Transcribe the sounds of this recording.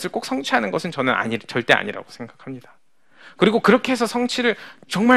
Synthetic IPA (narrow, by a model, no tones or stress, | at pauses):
sʰɯɭk͈ok̚s͈ʰʌŋt͡ɕʰiɦanɯnɡʌsʰɯnt͡ɕʌnɯna̰ɲit͡ɕʌɭt͈e̞a̰ɲiɾa̰ɡo̥sʰe̞ŋɡakʰamɲidḁ | kɯɾiɡokɯɾʌkʰe̞ɦesʰʌsʰʌŋt͡ɕʰiɾɯɭt͡ɕʌŋma